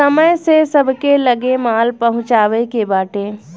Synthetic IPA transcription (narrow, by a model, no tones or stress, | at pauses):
ɐməjsesɐbʱkelɐɡemaːlpɐɦʊ̃t͡ʃaːʋekebaːʈẽː